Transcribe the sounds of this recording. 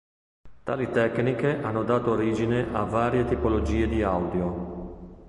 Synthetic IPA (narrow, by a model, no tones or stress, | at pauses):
t̪a̰ːlit̪ɛknikeʔanːod̪aːt̪oːɾiːd͡ʒineʔavaːɾjet̪ipolod͡ʒiːed̪iawd̪jo